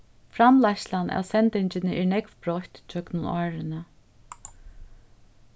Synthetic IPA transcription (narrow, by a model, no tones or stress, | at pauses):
fɾamlaʃlanʔa̰ːwsɛnt̪ɪɲt͡ɕɪnɪʔɛɹnɛkʋpɹɔht̪t͡ʃʰœknʊnɔːɹɪnə